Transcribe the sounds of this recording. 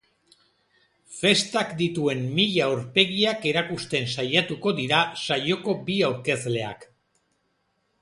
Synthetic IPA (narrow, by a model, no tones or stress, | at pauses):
fe̞st̪akd̪it̪ue̞mmiʎaoɾpe̞ɣiake̞ɾakust̪e̞nsajat̪uko̞ðiɾasajo̞ko̞biawɾke̞zle̞a̰k